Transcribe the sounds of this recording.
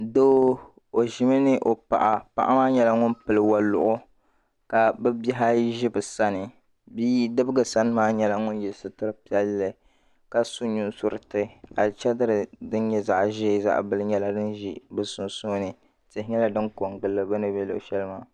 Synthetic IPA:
do˦ | o˨ʒi˨mɨ˦nɨ˦ʔo˨pa̰˨ʔa˨pa̰˨ʔa̰˦maː˦ɲɛ˦la˦ŋʊ˦npɨ˨lɨ˨wa˨lʊ̰˨ʔʊ˦ | ka˨bɨ˦bi˦ɦa˦ʒi˦bɨ˨sa˦nɨ˨ | biː˦dɨ˦bɨ˦ɡɨ˨sa˦n˦maː˦ɲɛ˦la˦ŋʊ˦njɛ˨lsɨ˦tɨ˦ɾɨ˦pi˨˦ɛ˦lːɨ˨ | ka˨su˦ɲu˦nsʊ˦ɾɨ˨tɨ˦a˨lt͡ʃɛ˦dɨ˦ɾɨ˨dɨ˦n˦ɲɛ˦za̰˦˨ʔʒeː˦˨za̰˦ʔbɨ˦lɨ˦ɲɛ˦la˨dɨ˦nʒi˨bɨ˦sʊ˨nso˦nɨ˨ | tɪ˨hɪ˦ɲɛ˦la˨dɨ˦nko˨ŋɡ͡bɨ˨lːɨ˨bɨ˦nɨ˦bɛ˦lo̰˨ʃɛ˦lɨ˦maː˦˨

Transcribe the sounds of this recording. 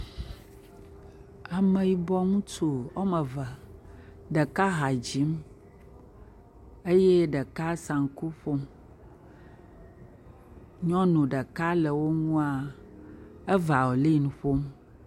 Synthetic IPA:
a˨mẽ˨ji˨bɔ˦ŋũ˦tu˨ɔ˦mɛ˨və˨ | ɖɛ˨ka˦ɦa˨d͡ʑi˦m | e˦je˦ɖɛ˨ka˦sa˨ŋ˨ku˦ɸo˦m | ɲɔ̃˦nũ˨ɖə˨ka˦lɛ˨wo˦ŋũ˦a˦˨ | ɛ˦va˨wo˨li˦˨nũ˨ɸo˦m

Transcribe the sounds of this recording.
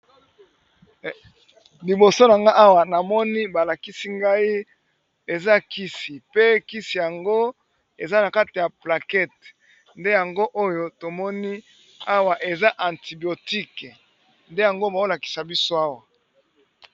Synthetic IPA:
li˨bo˨so˦na˨ŋɡa˦ʔa˦wa˨na˨mɔ˦ni˦ba˨la˨ki˦si˦ŋɡa˦i˦ | e˨za˦ki˦si˨pe˦ki˦si˨ja˨ŋɡo˦ | e˨za˦na˨ka˦ti˨ja˨pla˨kɛ˦t̚ | nde˦ja˨ŋɡo˦ʔo˦jo˦to˨mɔ˦ni˦ | a˦wa˨ʔe˨za˦ʔã˨nti˨bi˨o˨ti˦k | nde˦ja˨ŋɡo˦ba˨o˦la˨ki˨sa˨bi˦so˦a˦wa˨

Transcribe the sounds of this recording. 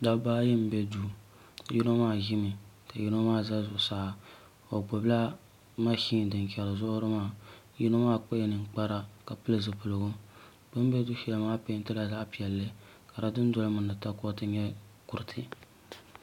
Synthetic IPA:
da˦bbaː˦jɛ˦m̩˦bɛ˦du˦˨ | ji˦no˦maː˦˨ʒi˦mɨ˨ | ka˨ji˦no˦maː˦˨za˦zʊ˨ʔsaː˦˨ | o˨ɡ͡bo˨bla˦ | ma˦ʃiː˦n˨dɨ˨n˨kʲɛ˨lɨ˨zʊ˦ɾɨ˦maː˦˨ | ji˦no˦maː˦˨k͡pe˦nɨ˨ŋ˦k͡pa˦ɾa˦ka˨pɨ˦lɨ˦zɨ˨pɨ˨lɨ˨ɡʊ˦ | bɨ˦m˦bɛ˦du˦ʃɛ˦lɨ˦maː˦pe˦ɪ˦n˦tɨ˦la˨za˦ʔpi˨ɛ˨lːɨ˦ | ka˨ɾa˦dɨ˦n˦dɔ˦lɨ˦mɨ˨ndɨ˨ta˦kɔ˦tɨ˦ɲɛ˦ | ku˨ɾɨ˨tʰɨ˦

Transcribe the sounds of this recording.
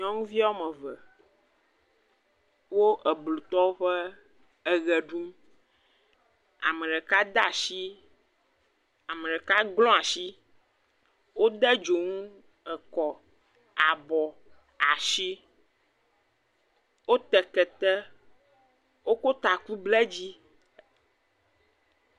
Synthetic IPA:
ɲɔ̃˦ŋũ˦vi˦a˦wmɛ̃˨və˨ | wo˦ʔə˨blu˨t̪ɔ˦wo˦ɸɛ˦ | ə˨ɣɛ˨ɖu˦m | a̰˨mɛ̃˨ɖɛ˨ka˦d̪a˦˨ʃi˦ | a˨mɛ̃˨ɖɛ˨ka˦ɡlɔ̃˦a˨ʃi˦ | wo˦d̪ɛ˦d͡ʒo˨ŋũ˦ | ɛ˨kɔ˨ | a˨bɔ˨ | a˨ʃi˦ | wo˦t̪ɛ˨kɛ˨t̪ɛ˦ | wo˦ko˦t̪a˨ku˦blɛ˦d͡ʑi˦

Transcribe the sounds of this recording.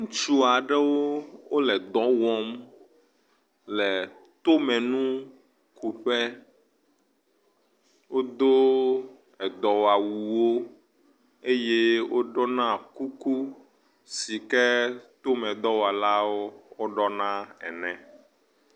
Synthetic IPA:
ŋũ˦t͡ʃu˦a˨ɖɛ˦wo˦wo˦lɛ˨d̪ɔ̃˨˦wɔ̃˦m | lɛ˨ | t̪o˦mɛ̃˨nũ˦ | ku˨ɸɛ˦ | wo˦d̪o˦ | ɛ˨d̪ɔ˨wa˨wu˨wo˦ | e˦je˦wo˦ɖɔ˦nã˦ku˦ku˦ | si˨kɛ˦t̪o˦mɛ̃˨d̪ɔ˦wa˨la˦wo˦wo˦ɖɔ˦nã˦ɛ̰˨nɛ̃˨

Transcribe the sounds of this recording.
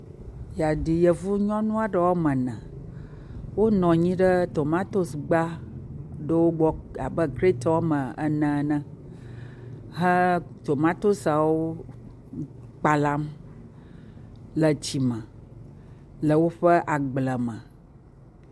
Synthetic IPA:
ja˨di˨jə˨vu˦ɲɔ̃˦nũ˦a˨ɖə˦wa˦mə̃˨nə̃˨ | wo˦nɔ̃˨ɲĩ˦ɖə˦t̪o˨mã˦t̪o˦sɡ͡ba˦ | ɖə˦wo˦ɡ͡bɔ˦a˨bə˦kɾe˦t̪ɔ˦wa˦mə̃˨ə̰˨nɛ̃˨nə̃˦ | ɦə̃˦t̪o˨mã˦t̪o˦sa˨wo˦ | k͡pa˨la˦m | lə˨t͡ɕi˨mə̃˨ | lə˨wo˦ɸə˦ʔa˨ɡ͡blə˨mə̃˨

